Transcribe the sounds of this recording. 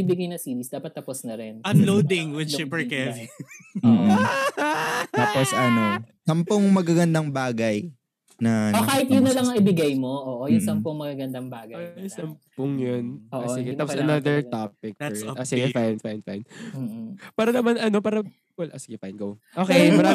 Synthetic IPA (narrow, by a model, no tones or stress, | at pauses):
ibɪɡɐjnɐsiːɾisd̪aːpɐt̪ːɐposnɐɾɛnɐnlod̪ɪŋwɪʃipɛɹkɛv | taːposɐnosɐmpʊŋmɐɡaɡɐnd̪ɐŋbaːɡɐj | nɐokaːhɪt̪jʊnːɐlɐŋɐŋʔɪbɪɡajmo̞ʔoːʔojʊnsɐmpoŋmɐɡaɡɐnd̪ɐŋbaːɡɐosɐmpʊŋjonoːʔʔsoɪɡɛaːposɐnaðɛɹt̪apɪk̚ɛʔoːsɪɡɛfajnfajnfa̰jn̩ː | paːɾɐnɐmanɐno̞paːɾɐ | olʔosɪɡɛfajnɡow | ʔoːkejjmɐɾaː